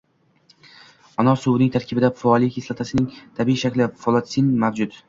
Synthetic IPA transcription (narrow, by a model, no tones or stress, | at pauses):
ɒnɒsuwnɪŋt̪ʰaɾkʲʰɪbɪd̪afaɒlˠɪkʲʰislˠat̪ʰasɪnɪŋt̪ʰabiiʃakʲlɪfɒlˠɒsinmavd͡ʒʊd̪